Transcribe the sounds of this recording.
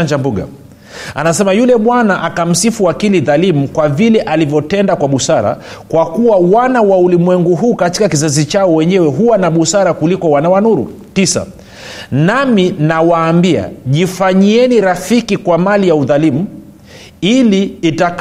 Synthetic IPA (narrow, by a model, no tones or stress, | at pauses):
and͡ʒambuɡa̰ | anasɛmajulɛɓwanaʔakam̩sifuakiliðalimukwavilɛʔalivjɔtɛndakwaɓusaɾa̰ | kwakuwawanawaulimwɛŋɡuɦuːkati̥kakizazit͡ʃaɔwɛɲɛwɛɦuwanaɓusaɾakulikɔwanawanuɾṵ | tisa̰ | naminawaːmbia̰ʄifaɲiɛniɾafikikwamalijauðalimu | iliːtak